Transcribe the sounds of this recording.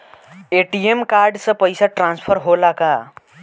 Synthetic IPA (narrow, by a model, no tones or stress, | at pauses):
eʈiemkaɾɖsə̃pəɪsaʈɾãnspʰəɾɦolaka